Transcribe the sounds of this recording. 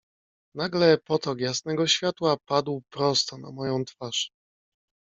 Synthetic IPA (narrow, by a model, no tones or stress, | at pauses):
naɡlɛpɔt̪ɔkjasnɛɡɔɕfʲjat̪wapad̪wpɾɔst̪ɔna̰mɔjɔ̃w̃t̪faʂ